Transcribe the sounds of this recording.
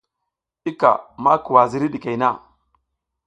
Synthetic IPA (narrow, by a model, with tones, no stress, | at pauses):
i˦ka̰˨ma˦ku˨wa˨zi˦ɾi˦ɗi˨ke˨jna˦˨